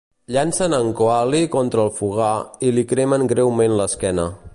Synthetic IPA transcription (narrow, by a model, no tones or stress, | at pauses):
ʎansənəŋkoalikɔnt̪ɾəːlˠfuɣ̞ailikɾeməŋɡɾewmenləskɛnə